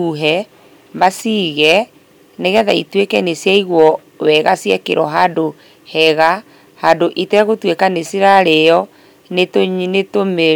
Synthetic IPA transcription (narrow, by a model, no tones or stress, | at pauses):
uɦɛ | masiːɣɛ | neɣɛðaitwekɛnesjaiɣwɔ | wɛɣasjɛkḛɾɔɦado | hɛɣa | hadoʔitɛɣotwekanesiɾaɾejɔ | netonetome